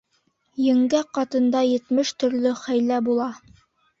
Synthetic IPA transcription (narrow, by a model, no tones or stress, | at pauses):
jɘ̆ŋɡæqɑt̪ɤ̆nd̪ɑjɘ̆t̪mɘʃt̪ɵ̆ɾlɵχæjlæbulˠɑ